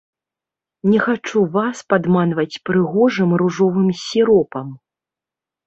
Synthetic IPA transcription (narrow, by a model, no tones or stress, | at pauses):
nʲɛxat͡ʂuvaspad̪manvɐt͡sʲpɾɨɣɔʐɨmɾuʐɔvɨmsʲiɾɔpɐm